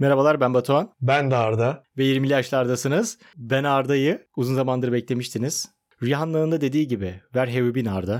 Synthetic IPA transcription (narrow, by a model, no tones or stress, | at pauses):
meɾabalˠaɾbænbat̪ʰuanbænd̪aːɾd̪avɛjiɾmilʲijaʃlˠaɾd̪asɯnɯz̥ | bɛnaɾd̪ajɯuzunzamand̪ɯɾɯbɛclʲe̞miʃt̪ʰiniz̥ | ɾjaɦanlˠaɯnd̪ad̪ed̪iːɟibɪvæɾɦe̞vybinaɾd̪a